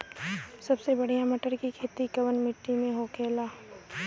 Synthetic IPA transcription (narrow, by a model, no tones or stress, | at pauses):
sɐbsebɐɽ̤ijamɐʈəɾkikʰeːt̪ikɐʋənmɪʈːimẽɦokʰeːlaː